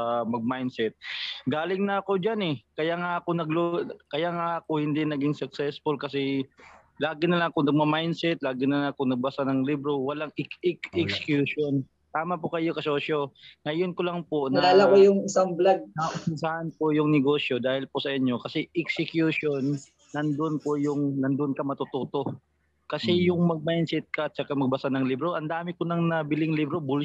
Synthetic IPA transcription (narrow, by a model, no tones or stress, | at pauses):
mɐɡ̚majnsɛt̪̚ɡaːlɪŋnɐɐko̞d͡ʒanɛkɐjaŋaʔɐko̞nɐɡlokɐjaŋaʔɐkohɪnd̪inɐɡɪŋsʊk̚sɛsfʊlkɐsɛ | laːɡɪnɐlɐŋkʊŋnɐɡ̚mɐmajnsɛt̪̚laːɡɪnɐlaŋkʊŋnɐɡ̚bɐsanɐŋlibɾowɐlaŋɪkɛkɛksɪ̥kjuːʃon | t̪aːmɐpʊkɐjokɐsoːso̞ŋɐjonkolɐŋponɐaːlakojʊŋɪsaŋblaɡ̚sahɐnpojʊŋnɛɡo̞ːsjo̞d̪aːhɪlpʊsɐʔɪɲːo̞kɐsɛʔɛksɪkjuʃonː | ɐnd̪oʔnpojʊŋnɐnd̪oʔnkɐmɐt̪ʊt̪oːt̪o̞ | kɐsɛjʊŋmɐɡ̚majnsɛt̪̚kɐɐt̪̚t͡ʃɐkamɐɡ̚bɐsanɐŋlibɾoʔɐnd̪aːmɪkonɐŋnɐbɪlɪŋlibɾobʊl